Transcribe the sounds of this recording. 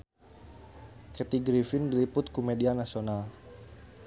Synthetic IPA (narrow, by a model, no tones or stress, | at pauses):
kɛt̪iɡɾifɪndilipʊt̪̚kumedianasional